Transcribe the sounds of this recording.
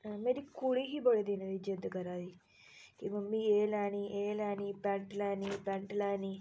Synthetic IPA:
mɐɾikuɭiɦiboɭed̪inɐʋid͡ʒɐd̪ɐkɐɾaːd̪i | kimɐmbieːlaːniʔeːlaːnipaɳʈɐlaːnipaɳʈɐlaːni

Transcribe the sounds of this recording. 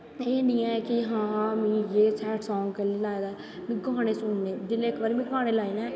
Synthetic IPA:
eɖɪjãːɛkɪɦãːmĩːjeːsɛːʈsɔːŋɡkəliːlaːed̪aː | mĩːɡãːñeːsʊːnneːd̪ɪleɪkʰʋəɾmĩːɡãːñeːlaːiːnɛ̃ː

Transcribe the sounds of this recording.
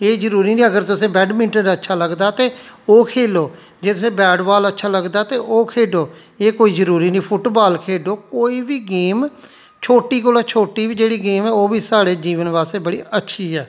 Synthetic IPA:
eːzəɾuːɾiːniːəɡəɾt̪ʊsẽːbɛːɖmɪ̃ɳʈəɾətːʃʰaːləɡd̪aːt̪eːoːkʰeːloː | d͡ʒeːt̪ʊsẽːbɛːɖbaːlətːʃʰaːləɡd̪aːt̪eːʔoːkʰeːɖoː | eːkoːiːzəɾuːɾiːnĩːpʰʊʈbaːlkʰeːɖoːkoːiːbiːɡeːm | t͡ʃʰoːʈiːkoːlaːt͡ʃʰoːʈiːʋiːd͡ʒeːɽiːɡeːmɛːoːʋiːsaːɽeːd͡ʒiːʋənʋaːst̪eːbəɽiːətːʃʰiːɛː

